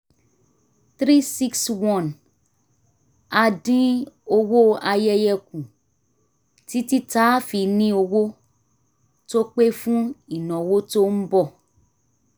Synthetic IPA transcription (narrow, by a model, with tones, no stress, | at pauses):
t̪ɾi˦si˦kswɔ̃˦˨n | a˨dĩ˦o˦wo˦a˨jɛ˦jɛ˦k̚ũ˨ | ti˦ti˦ta˦fi˨nĩ˦o˨wo˦ | to˦k͡pe˦fũ˦i˨nɔ̃˨wo˦to˦m̩˦bɔ˦˨